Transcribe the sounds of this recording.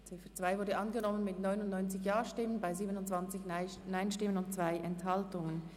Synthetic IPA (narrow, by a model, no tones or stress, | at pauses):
t͡sɪfət͡sv̥aɪvʊɐdəʔɑnɡənɔmənmɪtnɔʏnʊndnɔʏnt͡sɪçjaːʃtɪmənbaɪziːbənʊntt͡sv̥ant͡sɪçnaɪnʃtɪmənʊnt̚t͡sv̥aɪʔɛnthaltʊŋən